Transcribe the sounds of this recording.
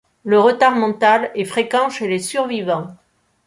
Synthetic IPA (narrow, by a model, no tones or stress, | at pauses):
ləʁət̪aʁmɑ̃t̪alɛfχekɑ̃ʃelesyʁvivɑ̃